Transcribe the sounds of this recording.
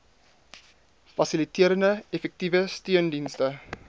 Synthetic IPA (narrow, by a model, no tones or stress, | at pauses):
fɐsilitiəɾəndəɛfɛk̚tivəstyəndinstə